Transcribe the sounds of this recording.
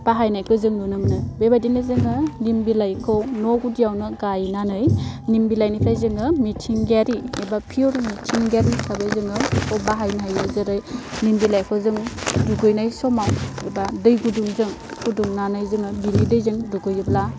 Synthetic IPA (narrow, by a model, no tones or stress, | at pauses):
b̥aɦajnajkʰɯzɯŋnunɯmnɯbebajdinɯzɯŋɯnimbilajkʰɯwnɔɡudijawnɯɡajnanɯjnimbilajnijpʰlajzɯŋɯmitʰiŋɡaɾiebapʰiuɾmitʰiŋɡaɾisʰabajzɯŋɯobaɦajnaɦajɯzɯɾɯjnimbilajkʰɯwzɯŋduɡɯjnajsɔmawebadɯjɡuduŋzɯŋ | kuduŋnanɯjzɯŋɯbinidɯjzɯŋduɡɯjɯpla